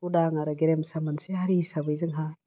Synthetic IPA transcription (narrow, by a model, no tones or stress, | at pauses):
udaŋaɾaɡeɾemsamanseɦaɾisabɯjzɯŋɦa